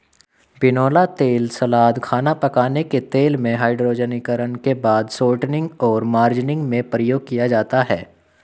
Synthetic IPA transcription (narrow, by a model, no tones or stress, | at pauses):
bɪnoːlat̪eːlsɐlaːd̪kʰaːnapɐkaːneket̪eːlmẽɦaːɪɖɾoːd͡ʒənikəɾənkebaːd̪soːʈnɪ̃ŋɡɔːɾmaːɾd͡ʒɪnɪ̃ŋɡmẽpɾəjoːɡ̚kijad͡ʒaːt̪aɦɛː